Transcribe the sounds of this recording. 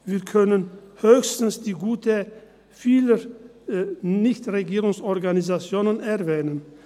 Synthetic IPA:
viːɐkʰœnənhøːçstn̩sd̥iːɡuːtə | fiːlə | nɪçtʁeɡiːʁʊŋsɔɐɡanizat͡sjoːnənɛɐvɛːnən

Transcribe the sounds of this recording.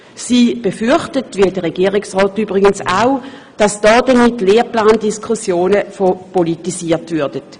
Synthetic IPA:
siːb̥efyɐχtətviːdəʁeɡiːʁɪksʁɔːtyːbʁɪɡənsaʊ | d̥ɑsd̥ɔːd̥ɐmitleːplaːndiskʰusjoːnəfopolitisiːɐtvʏɐd̥ət

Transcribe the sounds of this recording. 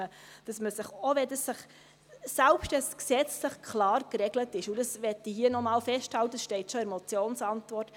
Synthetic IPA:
əd̥ɑsməsɪχoʋɛdɑsːɪχ | sælpʃtɛsksɛt͡slɪχkʰlɑːɾkɾɛɡlətɪʃud̥ɑsʋɛtːihiənɔmɑːlfɛʃthɑltəsʃtɛɪtʃɔɛɾmɔt͡sjoːnsɑntʋɔrt

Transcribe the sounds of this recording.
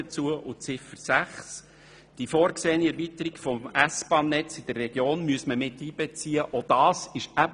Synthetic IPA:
ət͡suəʔʊt͡sɪfəɾsæχs | d̥ifoːɾkseːniɛɾvitəɾiɡfɔmæsb̥ɑːnːɛt͡sɪd̥ərːɛɡ̥joːnmyəsməmɪtːiːb̥ɛt͡siːəʔɔd̥ɑːsɪʃæb

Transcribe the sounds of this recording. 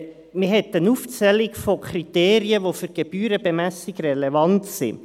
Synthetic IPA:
mɪɦɛt̪ːənuft͡sɛlɪkfokʰɾiteːɾiəʋofyɾɡ̥eb̥yːɾəbemæsɪkrɛlevɑntsḭ

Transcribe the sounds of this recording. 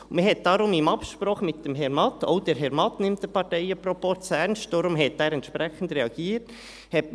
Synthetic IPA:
məɦɛt̚d̥ɑɾʊmɪmɑpʃpɾɔχmɪt̚d̥ɛmɦɛɾmɑtʰːo̰ʊd̥ɛɾɦɛɾmɑtnɪmtd̥əpʰɑɾtɛjəpɾɔpɔt͡sɛnʃd̥ɔɾʊmɦɛtːæːɾɛntʃpɾɛχən̩dɾɛɑɡ̥iːət | hɛt̚

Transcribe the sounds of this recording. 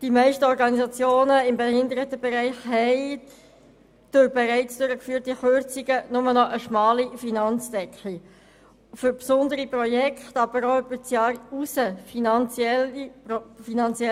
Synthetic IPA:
d̥imæɪʃtəɔɾɡɑnizɑt͡sjoːnəɪmbehɪnd̪əɾətəbɛɾæɪχɦɛɪ | d̥ʊɾbɛʁæɪt͡sd̥ʊɾəkfyːɾtiχøɾt͡siɡənʊmənɔʔəʃmɑːlifinɑnt͡sd̥ɛkχli | fʏɾpsʊnd̪əɾiprɔjɛkχtɑb̥əɾoʏbəɾt͡sjɑːɾusəfinɑnt͡sjɛl | finɑnt͡sjɛ

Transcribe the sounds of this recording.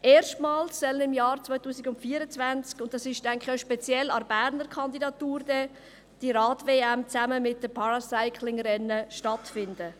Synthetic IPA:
ʔeːɾʃtmɑːlsːœlənɪmjɑːɾt͡svœʏtuːsɪɡʊntfiːəɾət͡svænt͡skʊnt̚d̥ɑsɪʃtæŋkχaʃpɛt͡sjɛlɑɾbæɾnəɾkʰχɑndidɑt̪uːɾdɛ | d̥iɾɑːtveːæmt͡sæməmɪt̚d̥əpʰɑɾɑsaɪkʰlɪŋɾɛnːəʃtɑtfɪndə

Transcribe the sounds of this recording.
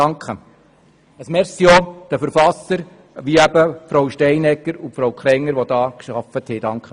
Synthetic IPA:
ɑŋkχə | əsmɛɾsiod̪̥əfəɾfɑsəɾ | ʋiæbəfɾowʃtɛɪnɛkːəɾupfɾowkʰɾɛŋːəɾʋod̥̪ɑːkʃɑfət̪hɛd̥ɑŋkχə

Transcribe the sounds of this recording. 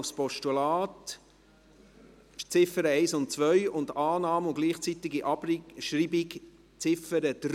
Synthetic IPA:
spɔʃtulɑːt | t͡sɪfəɾəɛɪsʊntt͡sʋœʏʊndɑːnɑːmʊɡliːχt͡sit̪ɪɡiʔɑbɾʃɾiːbɪk | t͡sɪfəɾəd̪̥ɾ

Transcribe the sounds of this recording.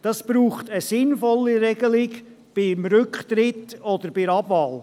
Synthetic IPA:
d̥ɑsb̥ɾuːχtəsɪnfɔlːiɾɛɡəlɪɡ | b̥ɪmɾʏkχt̪ɾɪtɔd̪əɾb̥ɪɾɑbvɑːl

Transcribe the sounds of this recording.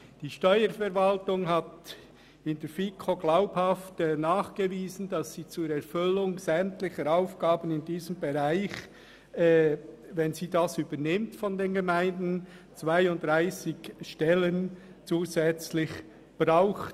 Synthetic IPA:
d̥iːʃtɔʏəɾfɛɾvaltʊŋɦat | ɪndɛɾfikʰoɡlaʊphaftːnaːχɡ̥əviːzən̩dɑsiːt͡suːɾɛɾfʏlʊŋz̥ɛmtlɪçəɾaʊfɡ̥aːbənɪndiːzəmbeʁaɪç | ɛ | vɛnziːdasyːbənɪmtfɔndeːnɡemaɪndn̩ | t͡svaɪʊnd̥ʁaɪsɪkʃtɛlən | t͡suːzɛt͡slɪç | b̥ɾaʊxt

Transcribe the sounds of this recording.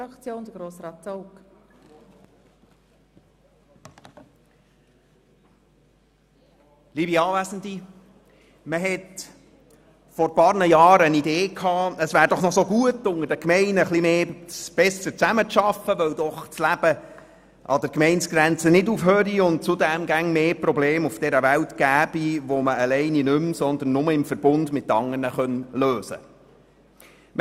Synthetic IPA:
ɑkt͡sjoːnd̥̪əɡɾoːsɾɑːtoʊk | libiɑːvæsn̩d̪i | məɦɛt | fɔɾpɑːɾnəjɑːɾənideːkʰhɑːəsʋæːɾd̥ɔχnɔsoɡuətʊŋəɾd̥əkmɛɪnəχlimeːsb̥ɛsət͡sæmət͡sʃɑfəʋœwdɔχt͡slæb̥ə | ʔɑ̰d̪əɾkmɛɪnt͡sɡ̥ɾænt͡sənɪdufɦøːɾiʊnt̚t͡sʊdæmɡæŋmeːprɔbleːmufd̥ɛɾəʋæwtɡ̥æːb̥iʋoməəlɛɪninʏmsɔnd̪ənːʊməɪmfəɾb̥ʊndmɪtːɑŋəɾnəχœnløːsə̰ | m

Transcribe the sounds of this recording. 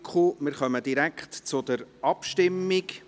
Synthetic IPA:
kχumɪɾχœməd̥̪iɾækχtt͡sʊd̥̪əɾɑpʃtɪmːɪk

